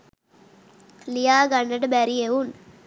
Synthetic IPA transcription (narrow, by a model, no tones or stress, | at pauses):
lijaːɡanːəʈəbæɾieun